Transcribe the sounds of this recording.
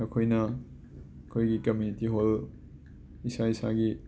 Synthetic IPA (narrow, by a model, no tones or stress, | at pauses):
ɐkʰojnɐ | ɐkʰojɡikɐmjunitiɦol | isaisa̰ɡi